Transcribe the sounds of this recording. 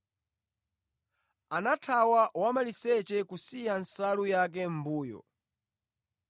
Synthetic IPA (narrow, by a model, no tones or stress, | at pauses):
anatʰawawamalisɛt͡ʃɛkusijansalujak̬ɛm̩buːjɔ̰